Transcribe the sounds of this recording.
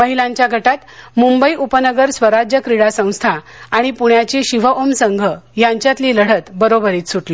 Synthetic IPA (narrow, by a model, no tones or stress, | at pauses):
məɦilaɲt͡ɕjaɡʱəʈat̪mumbəiʔupənəɡəɾsʋəɾad͡ʑjəkɾiɽasə̃w̃st̪ʰaːɽ̃ipuɳjat͡ɕiɕiʋəʔomsəŋɡʱəjaɲt͡ɕjat̪liːləɽ̤ət̪bəɾobəɾiːt̪suʈli